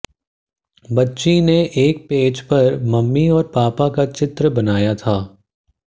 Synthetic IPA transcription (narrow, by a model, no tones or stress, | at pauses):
bɐtːʃineʔeːk̚peːd͡ʒpɐɾmɐmːiɔːɾpaːpakat͡ʃɪt̪ɾəbɐnaːjat̪ʰaː